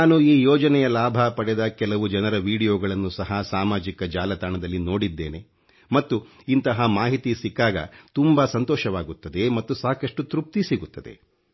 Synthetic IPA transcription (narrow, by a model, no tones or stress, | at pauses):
nnaːnuiːjɔːd͡ʒɐnɛjɐlaːbʱapɐɽɛd̪ɐkɛlɐʋud͡ʒɐnɐɾɐʋiːɽijoːɡɐɭɐnːusɐɦɐsaːmaːd͡ʒikɐd͡ʒaːlɐt̪aːɳɐd̪ɐlːino̞ːɽid̪ːeːne̞ | mɐt̪ːu | int̪ɐɦɐmaːɦit̪isikːaːɡɐ̰t̪umbɐsɐnt̪ɔːʃɐʋaːɡut̪ːɐd̪e̞mɐt̪ːusaːkɐʂʈut̪ɾup̚t̪isiɡut̪ːɐd̪e̞̰